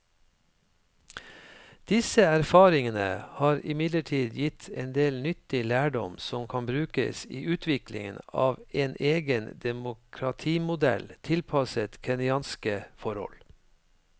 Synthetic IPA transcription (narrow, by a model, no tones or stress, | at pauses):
d̪̥ɪsəæɾfɑːɾɪŋənə̰hɑːɾɪmɪd̪ləʈʰiːd̪jɪt̪ʰɛnd̪eːlnʏt̪ɪlæːɖɔ̰msɔmkʰɑnbɾʉːkə̰siːʔʉːt̪ʰʋɪklɪ̰ŋənɑ̰ːʋeːnʔeːɡənd̪ɛmʊkʰɾɑt̪ʰiːmʊd̪ɛ̰lt̪ʰɪlpʰɑsət̪kʰɛnɪɑːnskəfɔɾhɔ̰l